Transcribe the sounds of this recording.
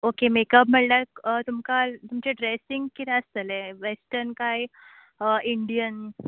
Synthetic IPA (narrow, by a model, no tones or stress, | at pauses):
okemekəp̬m̤əɭlakət̪umkat̪umt͡ɕeɖɾesiŋɡkit̪ʰɛ̃əst̪əleʋesʈəɾnkaj | iɳɖijən